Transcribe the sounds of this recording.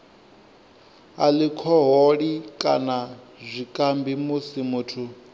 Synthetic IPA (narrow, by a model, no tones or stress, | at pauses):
alikʰɔɦoɺikʼana | zʷikʼambimusimuːtʰu